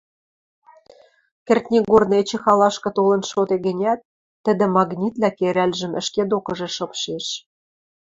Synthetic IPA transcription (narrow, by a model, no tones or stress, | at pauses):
kɘ̆rt̪ʲnʲiɣornet͡ɕĕxɑlɑʃkɤ̆t̪olɤ̆nʃot̪eɡɘ̆nʲæt̪̚ː | ə̆d̪ɘ̆mɑɣnʲit̪lækeɾælʲʒə̆mə̆ʃked̪okɤ̆ʒĕʃɤ̆pʃeʃ